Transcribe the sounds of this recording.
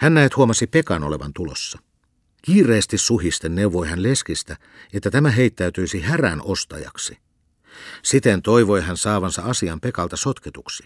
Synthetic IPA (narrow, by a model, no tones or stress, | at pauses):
hænnæet̪huomɑsipe̞kɑnoleʋɑ̰nt̪ulo̰sːɑ | kiːrˑeːst̪issuɦist̪enneuʋojɦænle̞skist̪æ | et̪ːæt̪æmæɦeit̪ːæyt̪yisihæræ̰nʔost̪ɑ̰jɑ̰ksi | sit̪ent̪oiʋojɦænsɑːʋɑnsɑɑsiɑmpe̞kɑlt̪ɑsot̪ket̪uksi̥